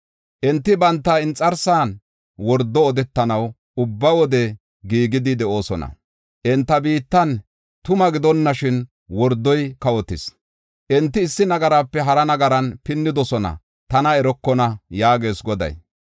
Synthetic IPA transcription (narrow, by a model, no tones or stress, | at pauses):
ʔɛnt̪ːɪbɐnt̪ːɐɪnt͡sʼɐɾsaːn | wɔɾd̪ːɔːd̪ɛt̪ːɐnɐw | ʊbːɐwɔd̪ɛ | ɡiːɡɪd̪ɪd̪ɛʔo̞ːsɔnɐ̰ | ʔɛnt̪ːɐbiːt̪ːɐn | t̪ʊmɐɡɪd̪ɔnːɐʃɪn | wɔɾd̪ːɔjkɐwɔt̪ːɪ̰s | ʔɛnt̪ːɪːsːɪnɐɡɐɾaːpːɛɦɐɾɐnɐɡɐɾɐnpɪnːɪd̪ɔsɔnɐ̰ | t̪ɐnɐɛɾɔkːɔnɐjaːɡe̞ːsɡɔd̪ɐ̰j